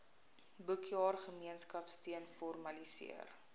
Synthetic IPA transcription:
bəkʰjɑːrχəmiənskɐpstiənfɔrmɐlisḭər

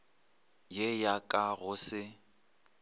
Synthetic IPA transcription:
jejakʼaɣʊsɪ

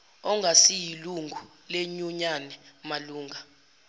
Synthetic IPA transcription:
ɔŋɡʱasijiluŋɡʱu | leɲuɲanɛmaluːŋʱa

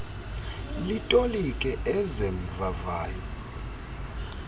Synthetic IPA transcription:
litʼolikʼɛʔɛzem̩vavaːjɔ

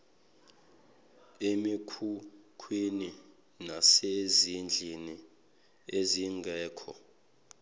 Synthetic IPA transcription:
emikʰukʰwini | nasezind͡ɮʱini | eziŋɡʱɛːkʰɔ̰

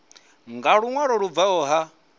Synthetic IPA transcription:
ŋɡaɺuŋwaɺɔɺuvaɔːɦa

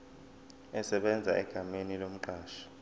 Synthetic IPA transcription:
ɛsɛɓɛnd͡zʱaʔɛɡ̥ʱamenilom̩ǃaːʃḁ

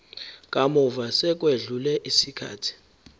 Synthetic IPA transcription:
kʼamɔvasɛk̬ʼweɮulɛʔisikʰa̰ːtʰi̥

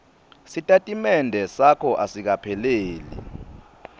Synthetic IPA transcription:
sitʼatʼimɛndʱɛsakʰɔʔasik̬apʰɛleːlḭ

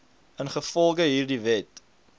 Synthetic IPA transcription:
ənχəfɔlˠɡəɦiːrdivɛt

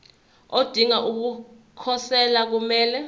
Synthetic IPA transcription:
od̥ʱiŋaʔuk̬u | kʰɔsɛlak̬umɛːlɛ

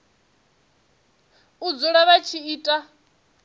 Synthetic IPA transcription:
ud͡zuɺaβat͡ʃʰiiːtʼa

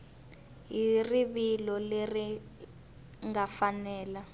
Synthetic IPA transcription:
ɦiriβilɔleri | ŋafanɛːla

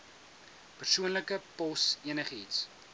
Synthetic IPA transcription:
pərsuənləkəpɔsiənəχəits

